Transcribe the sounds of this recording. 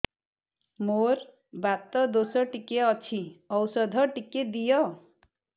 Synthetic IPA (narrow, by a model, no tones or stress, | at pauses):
moɾ | bat̪ɔd̪osɔʈikeɔt͡ʃʰiɔwsɔd̪ʱɔʈiked̪ijɔ